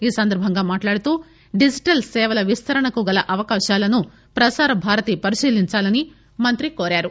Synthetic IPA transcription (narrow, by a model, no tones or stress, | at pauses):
iːsɐnd̪ɐɾbʱɐŋɡaːmaːʈlaːɽut̪uː | ɖid͡ʒiʈɐlsɛːʋɐlɐʋist̪ʰɐɾɐɳɐkuɡɐlɐʔɐʋɐkaːʃaːlɐnu | pɾɐsaːɾɐbʱaːɾɐt̪ipɐɾiʃiːliɲt͡ʃaːlɐni | mɐnt̪ɾikoːɾaːɾu